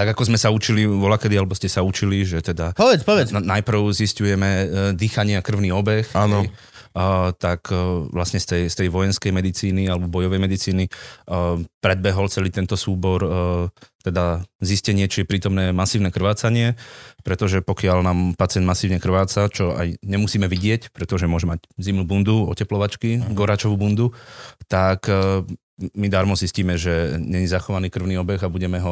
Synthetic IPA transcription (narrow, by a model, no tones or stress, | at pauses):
t̪aɡakɔzmɛsaut͡ʃiliʋɔlakɛd̪ialɛbɔscɛsaut͡ʃiliʒɛt̪ɛd̪apɔʋɛt͡spɔʋɛt͡snajpr̩ʊziscujɛmɛd̪iːxaɲɪakr̩ʊniɔbɛxaːnɔ | t̪akʋlasɲɛst̪ɛjst̪ɛjʋɔjɛnskɛjmɛd̪it͡siːnialɛbɔbɔjɔʋɛjmɛd̪it͡siːni | pɾɛd̪̚bɛɦɔlt͡sɛliːt̪ɛnt̪ɔsuːbɔɾ | t̪ɛd̪aziscɛɲɪɛt͡ʃijɛpɾiːt̪ɔmnɛːmasiːʊnɛːkr̩ʋaːt͡saɲɪɛpɾɛt̪ɔʒɛpɔkɪalnaːmpat͡sɪɛnd̪masiːʊɲɛkr̩ʋaːt͡sat͡ʃɔa̰jɲɛmusiːmɛʋiɟɪɛcpɾɛt̪ɔʒɛmʊɔʒɛmaɟzimnuːbund̪uɔ̰cɛplɔʋat͡ʃkiɡɔɾaːt͡ʃɔʋubund̪ut̪ak | mid̪aːɾmɔzisciːmɛʒɛɲɛɲizaxɔʋaniːkr̩ʊniːɔbɛɣabuɟɛmɛɦɔ